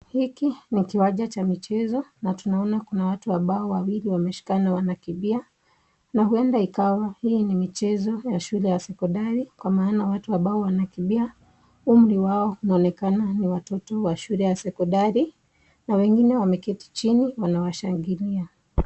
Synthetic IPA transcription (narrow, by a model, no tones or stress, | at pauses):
hikinikiwaʄat͡ʃamit͡ʃɛzɔnatunaɔnakunawatuwaɓaɔwawiliwamɛʃi̥kanawanakiɓia | nahuɛndaikawahiːnimit͡ʃɛzɔjaʃulɛjasɛkɔndaɾikwamaːnawatuwaɓaɔwanakiɓia | um̩ɾiwaɔunaɔnɛkananiwatɔtɔwaʃulɛjasɛkɔndaɾi | nawɛŋɡinɛwamɛkɛti̥t͡ʃiniwanawaʃaŋɡilia